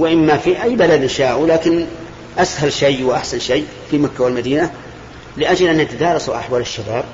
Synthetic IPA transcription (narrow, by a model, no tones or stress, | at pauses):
wɪʔɪmːafiʔajːbalad̪ʔɪnʃaːʕʔulaːkɪn | ʔashalʃajwʔaħsanʃajː | fimakːawɪlmad̪iːna | lɪʔad͡ʒlʔanːʔat̪ad̪ɑːɾˤɑsuʔa̰ħwaːlɪʃːabaːb̚